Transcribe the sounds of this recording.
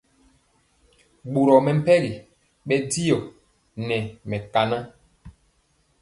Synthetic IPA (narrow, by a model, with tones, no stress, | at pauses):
ɡ͡bu˨ɾɔ˨mɛ˨m̩˦pɛ˦ɾi˨ | ɓɛ˦di˦jɔ˨ | nɛ˨mɛ˨ka˨na˦